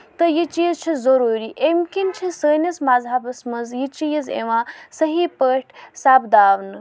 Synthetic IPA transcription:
t̪əjit͡ʃiːzt͡ʃʰizɐɾuːɾiʔemkint͡ʃʰisəːnʲɐsmazʱaːbɐsmɐzjit͡ʃijizḛʋãːsəɦipəʈʰsaːbd̪aːʋnɨ

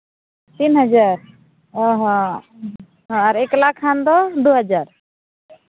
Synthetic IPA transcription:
t̪inɦad͡ʒaɾ | ɦɔ | ɦaɾɛklakʰːand̪ɔd̪uɦad͡ʒaɾ

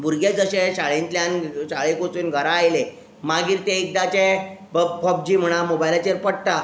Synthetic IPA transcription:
bʱuɾɡed͡zəɕeɕaɭent̪ljãnɕaɭekot͡suːnɡʱəɾaːjle | maɡiːɾt̪eik̚d̪at͡ɕe | pəb̚d͡ʑiːm̤əɽ̃amobajlat͡ɕeɾpəɽʈa

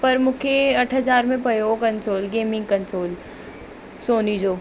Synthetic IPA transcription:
pɐɾmʊkʰeɐʈʰɦəd͡ʒaːɾmẽpɐjoːɡkɐ̃nsoːlɡeːmɪ̃ŋɡkɐ̃nsoːl | soːnid͡ʒoː

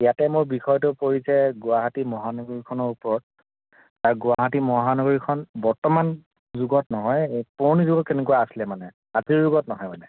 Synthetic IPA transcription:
ijatɛmʊɹbixɔjɔtʊpoɹisɛɡʊaɦatimɔɦanɔɡɔɹikʰɔnɔɹupɔɹɔt̚ | taɹɡʊwaɦatimɔɦanɔɡɔɹikʰɔnbɔɹtɔman | zuɡɔtnɔɦɔjpoɹnizuɡɔtenekuwaasilɛmanɛ | aziɹzuɡɔtnɔɦɔjmanɛ

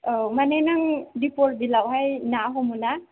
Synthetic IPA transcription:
ɔmanajnaŋdipɔl̚dilawɦajnaɦɔmuna

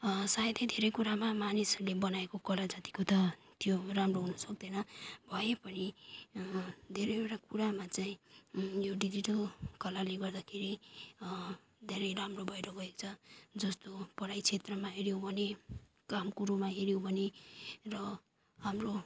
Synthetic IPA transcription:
sajd̪ed̪ʱeɾʌjkuɾamamanisʌlebʌnaekokʌlad͡zat̪i̥kot̪ʌ | t̪joramroɦunʌsʌk̚d̪ʌjnʌbʱʌjepʌni | d̪ʱeɾʌjbeɾakuɽamat͡saĩjoɖid͡ziʈʌlkʌlaleɡʌrd̪akʰeɾi | d̪ʱeɾʌjɾamrobʱʌjɾʌɡʌekt͡sʰʌd͡zʌst̪opʌɽajt͡sʰet̪rʌmaɦeɾjobʱʌne | kamkuɾumaɦeɾjobʱʌnerʌ | ɦamro

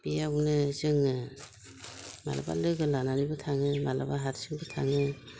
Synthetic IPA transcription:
bijaknezɯŋɯ | ma̰la̰ba̰lɯɡɯlanaɾibɯtʰaŋɯmalabaɦatsɯŋbɯtʰa̰ŋɯ

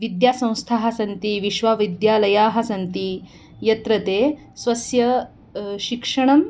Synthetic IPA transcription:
ʋid̪jaːsɐ̃w̃st̪ʰaːɦɐsɐnt̪iʋiʃʋaːʋid̪jaːlɐjaːɦɐsɐnt̪i | jɐt̪ɾɐt̪eː | sʋɐsjɐ | ɕikʂɐɳ̃ɐm

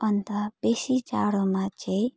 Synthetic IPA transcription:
ʌnt̪ab̥esit͡ʃa̰ɽomãt͡ʃʰe

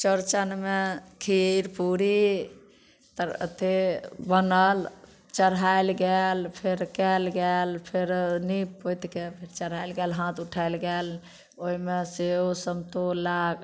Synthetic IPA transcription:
t͡ʃəɾt͡ʃənmekʰiɾpuɾi | t̪əɾə̰t̪ʰebənəl | t͡ʃəɾajlɡɛlpʰeɾkɛlɡɛlpʰeɾnipːojt̪kepʰeɾt͡ʃəɾalɡɛlɦãt̪uʈʰajlɡɛl | oimeseɦosəmt̪olaɡ

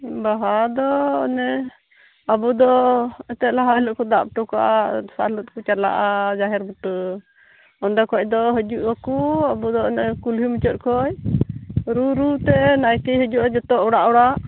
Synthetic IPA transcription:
baɦad̪ɔɔ̰nɛ | abud̪ɔɛt̪ɛʔ̪laɦalɔʔkɔd̪aʔp̚ʈɔkaʔasa̰lɔt̪̚kut͡ʃala̰ʔad͡ʒaɦɛɾbuʈə | ɔnɖɔkɔʔd̪ɔɦəd͡ʒuʔakuabud̪ɔnɛkulɦimut͡ʃɔt̪̚kɔj | ɾuɾut̪ɛnajkəɦəd͡ʒuʔad͡ʒɔt̪ɔʔɔɽaʔɔɽaʔ

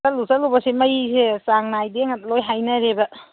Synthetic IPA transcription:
ɐlusɐlubɐsemɐjisesaŋnajdeŋɐt̚lojɦajnɐɾebɐ

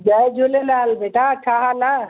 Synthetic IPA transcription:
d͡ʒajd͡ʒolelalbeʈat͡ʃʰaɦala

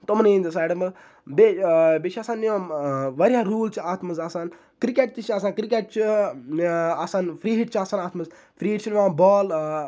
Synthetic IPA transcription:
t̪omnẽnd̪ɐsaːʈɐmɐz | bebeːt͡ʃʰiɐsaːnːjõʋɐɾjaːɾuːlt͡ʃʰaːt̪mɐzasaːn | kɾikeʈ̚t͡ʃ̪it͡ʃʰɐsãːnkɾikeːʈ̚t͡ʃʰi | asaːnfɾiːɦiʈ̚t͡ʃʰaːsaːnaːt̪mɐz | fɾiːiʈt͡ʃʰinʋãːbɔːl

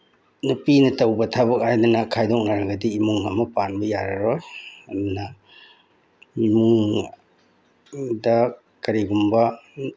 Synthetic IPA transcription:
nupinɐtɐwbɐtʰabɐk̚ajdunɐkʰajdɔk̚naɾɐɡɐdiːmuŋhamɐpanbɐjaɾɐɾɔjɐdunɐ | imuŋ | dɐ | kɐɾiɡumbɐ

